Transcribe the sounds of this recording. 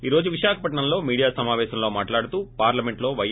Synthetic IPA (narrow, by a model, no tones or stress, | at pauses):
iːɾo̞ːd͡ʒuʋiʃaːkʰɐpɐʈɳɐmlo̞ːmiːɽijaːsɐmaːʋɛːʃɐmlo̞ːmaːʈlaːɽut̪uːpaːɾlɐmeɳʈlo̞ːʋɐj